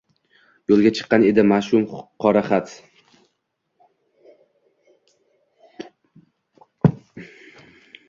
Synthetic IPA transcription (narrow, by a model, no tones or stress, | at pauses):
jolˠɡʲat͡ʃʰɨ̥qːɑne̞d̪ɪmaʃʊmqʰɒɾaχat̪